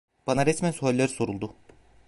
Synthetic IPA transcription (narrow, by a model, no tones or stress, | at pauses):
b̥anaɾɛsmænsuɦalʲːeɾi̥so̞ɾulˠd̪u